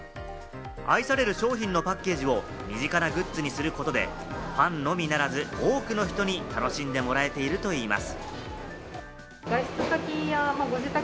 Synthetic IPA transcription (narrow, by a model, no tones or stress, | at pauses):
aisaɾe̞ɾɯ̟ɕo̞ːçĩnːo̞pakːe̞ːʑio̞ | mʲiʑikanaɡɯ̟t͡sɨɲ̟isɨɾɯ̟ko̞t̪o̞d̪e̞̰ | pãnno̞mʲinaɾazɨoːkɯ̟no̞çi̥t̪o̞ɲ̟it̪ano̞ɕĩnd̪e̞mo̞ɾae̞t̪e̞iɾɯ̟t̪o̞iːma̰sɨ̥ | ɡ̥aɕt͡sɨsakʲijamaɡoʑit̪a